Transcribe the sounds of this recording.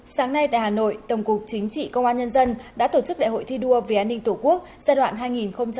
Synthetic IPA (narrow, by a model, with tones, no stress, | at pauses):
saː˨˦ŋna˧jt̪a̰ː˧˨jɦaː˨˩no̰˧˨jt̪ə˨˩wŋ͡mkʊ˨˩k͡p̚t͡ɕï˨˦ŋ̟t͡ɕḭ˧˨kə˧wŋ͡mʔaː˧ɲə˧nzə˧nɗa̰ː˧˥t̪o˧˩t͡ɕɨ˦˥k̚ɗa̰˧˨ɦo̰˧˨jt̪ʰi˧ɗu˧əve˨˩ʔaː˧nːï˧ŋ̟t̪u˧˩ku˦˥ək̚zaː˧jɗwa̰ː˧˨nɦaː˧jŋi˨˩nxə˧wŋ͡mt͡ɕ